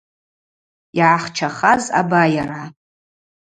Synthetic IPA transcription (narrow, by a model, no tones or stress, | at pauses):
iʕaχt͡ʃʰaχaza̰bajara